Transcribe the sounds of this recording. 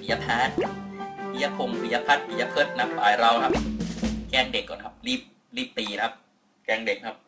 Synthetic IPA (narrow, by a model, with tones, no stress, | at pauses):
i˨˦ja˧pʰaː˦˥˩t̪̚pʰi˨˧ja˧˥pʰo˧mpʰi˨˦ja˧pʰa˦˥t̪̚pʰi˨˩ja˧pʰɯː˦˥˩t̪̚na˦˥p̚saː˨˩jɾa˧wkʰa˦˥p̚kɛː˥˩ŋde˨˩kːɔː˨˩nkʰa˦˥p̚ɾiː˥˩p̚ | ɾiː˥˩p̚t̪iː˧na˧kʰa˦˧˥p̚ | kɛː˥˩ŋde˨˩k̚kʰa˦˥p̚